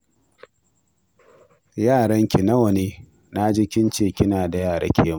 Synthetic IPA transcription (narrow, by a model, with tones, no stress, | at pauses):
jaː˦˨ɽɐ˦ŋkʲi˨nɐ˦wɐ˨neː˦ | na˦d͡ʒɪ˦kʲɪ˦nt͡ʃeː˨kʲɪ˦naː˨da˨jaː˦˨ɽa̰˦kʲʰeː˦m˨